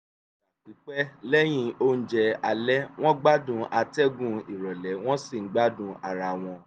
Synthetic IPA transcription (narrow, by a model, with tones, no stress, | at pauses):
a˨k͡pi˨˦k͡pɛ˦lɛ˦j̃ĩ˧o˦n̩˦d͡ʒɛ˧a˧lɛ˦w̃ɔ̃˦ɡ͡ba˦dũ˧a˧tɛ˦ɡũ˦˧i˨ɾɔ˨lɛ˨˦w̃ɔ̃˦si˦˨ŋ̩˨˦ɡ͡ba˦dũ˧a˨ɾa˧˨w̃ɔ̃˧